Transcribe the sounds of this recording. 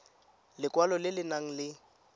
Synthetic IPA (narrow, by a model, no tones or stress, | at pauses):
lɪkʼwalɔlɪlɪnaŋ̩lɪ